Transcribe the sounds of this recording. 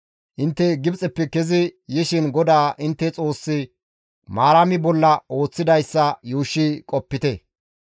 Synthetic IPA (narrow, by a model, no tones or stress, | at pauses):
ʔɪnt̪ːɛɡɪbt͡sʼɛpːɛkɛzɪjɪʃɪnɡɔd̪aːʔɪnt̪ːɛt͡sʼo̞ːsːɪ | maːɾɐmɪbɔlːɐo̞ːt͡sːɪd̪ɐjsːɐjuːʃːikʼɔpːɪt̪ɛ